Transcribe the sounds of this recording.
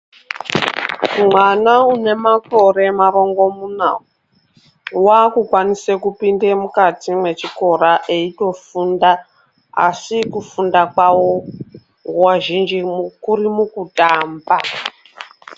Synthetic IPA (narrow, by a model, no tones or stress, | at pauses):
umwanaune̞mako̞ɾe̞maɾo̞ŋɡo̞muna̰wu | wakukwanisekupindemukatimwe̞t͡ʃiko̞ɾaʔeito̞funda | a̰sikufundakwawo | ŋɡwaʒind͡ʒikuɾimukutaːmba